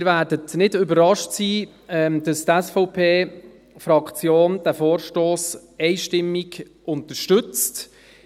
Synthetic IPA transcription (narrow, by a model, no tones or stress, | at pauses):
ɾvæːdətnɪdʏbəɾɑʃtsiː | ɛmd̥ɑst̪ɛsfɔʊpʰeː | fɾɑkt͡sjoːnd̥æfoːɾʃtoːs | ɛɪʃtɪmːiɡ | ʔʊnt̪əʃtʏt͡st